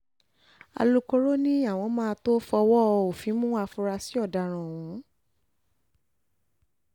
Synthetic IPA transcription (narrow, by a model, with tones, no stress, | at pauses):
a̰˧lu˦ko˧ɾo˦nĩ˦a˦˨w̃ɔ̃˧mãː˦˧to˦fɔ˧wɔ˦˧o˨fĩ˨˦mũ˦a˧fu˧ɾa˧si˨˦ɔ˦˨da˨ɾ̃ã˨ũ˨˦